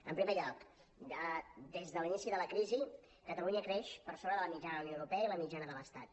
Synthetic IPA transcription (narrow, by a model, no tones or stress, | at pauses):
əmpɾimɛʎalt̪ | əd̪ezðəlinisiðələkɾizi | kət̪əluɲəkɾɛʃpəɾsoβɾəðələmid͡ʒanəðəunjoəwɾupɛəiləmid͡ʒanəðələst̪a̰t̪̚